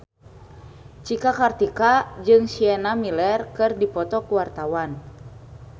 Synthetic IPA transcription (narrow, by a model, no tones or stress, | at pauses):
t͡ʃikakart̪ikad͡ʒɨŋsiɛnamilɛrkɨrdipɔt̪ɔkuwart̪awan